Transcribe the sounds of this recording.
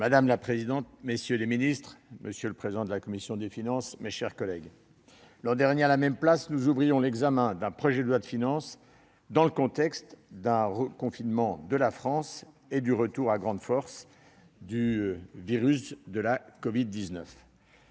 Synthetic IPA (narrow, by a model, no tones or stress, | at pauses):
mad̪amlapχezid̪ɑ̃t̪̚mesjøleminist̪χmʔəsjøləpχezid̪ɑ̃d̪əlakɔmisjɔ̃d̪efinɑ̃smeʃɛʁkɔlɛɡ | lɑ̃d̪ɛʁnjealamɛmplasnuzuvʁijɔ̃lɛɡzamɛ̃d̪ɛ̃pχɔʒɛd̪lwad̪əfinɑ̃s | d̪ɑ̃ləkɔ̃t̪ɛkst̪d̪ɛ̃ʁəkɔ̃finmɑ̃d̪əlafχɑ̃s | ed̪yʁət̪uʁaɡʁɑ̃d̪fɔʁs | d̪yviʁysd̪əlakɔvid̪ːiznœf